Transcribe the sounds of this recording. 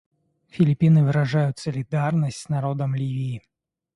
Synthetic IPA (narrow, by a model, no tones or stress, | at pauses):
fʲilʲipʲinɨvɨɾaʐajʊtʲsɐlʲid̪arnɐsʲtʲsnaɾɔd̪ɐmlʲivʲiː